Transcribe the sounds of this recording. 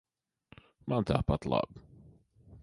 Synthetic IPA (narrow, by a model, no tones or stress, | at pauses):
mãnt̪ʰa̰pat̪la̰b